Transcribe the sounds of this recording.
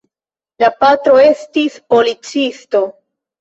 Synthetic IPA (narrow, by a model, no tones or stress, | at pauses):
lapatɾo̞e̞stispo̞lit͡sisto̞